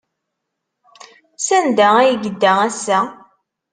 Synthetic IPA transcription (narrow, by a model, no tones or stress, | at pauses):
sænd̪ææjəɡəd̪ːææsæ